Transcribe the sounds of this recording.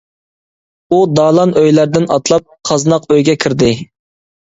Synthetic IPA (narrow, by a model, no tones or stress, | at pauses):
ud̪ɑːlˠɑnøjlæɾd̪ɪnɑt̪lˠɑp̚qʰɑznɑqøjɡʲɛkʲʰiɾd̪ɪ